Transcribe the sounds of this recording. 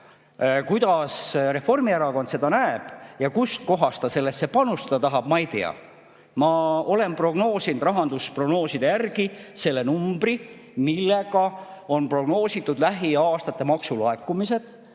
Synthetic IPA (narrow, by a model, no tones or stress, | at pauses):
kujd̪̥ɑsre̞fo̞rmieɾɑko̞nd̪se̞d̪̥ɑnæeb̥jɑkust̪̚ko̞ɦɑst̪ɑse̞lːe̞st̪se̞pɑnust̪ɑd̪̥ɑt̪ɑɦɑb̥mɑejt̪eɑ̰ | mɑo̞le̞mpro̞ɡ̥no̞ːsind̪rɑɦɑnd̪̥uspro̞ɡ̥no̞ːsid̪e̞jærɡ̥ise̞lːe̞numb̥ri | milːeɡ̥ɑo̞npro̞ɡno̞ːsit̪ːˑud̪̥læɦiɑːst̪ɑt̪ːˑe̞mɑksuloekːˑumise̞d̪̥